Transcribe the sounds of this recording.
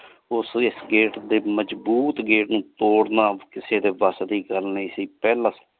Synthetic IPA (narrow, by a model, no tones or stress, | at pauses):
ʊsɪsɡeːʈd̪eːməd͡ʒbuːt̪ɡeːʈnũːt̪oːɽnãːkɪseːd̪eːʋaːsd̪iːɡəlnesiːpɛːlãːs